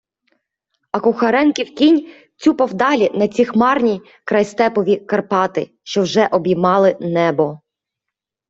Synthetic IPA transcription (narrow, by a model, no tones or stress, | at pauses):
ɐkʊxɐɾɛnkʲiwkʲinʲ | t͡sʲupɐwd̪ɑlʲinɐt͡sʲixmɑrnʲi | kɾɐjst̪ɛpɔʋʲikɐrpɑt̪ɪ̰ʃt͡ʃɔwʒɛʔɔbʲjimɑlˠɪnɛbɔ